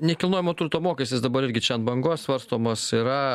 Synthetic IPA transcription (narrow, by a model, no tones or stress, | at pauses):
nʲɛkʲɪlˠnoːjɪmoːt̪urt̪oːmoːkʲɛsʲt̪ʲɪsd̪ɐbɐɾɪɾʲɡʲɪt͡ʃʲɛnbɐŋɡoːssʋɐɾst̪oːmoːsiːɾɐ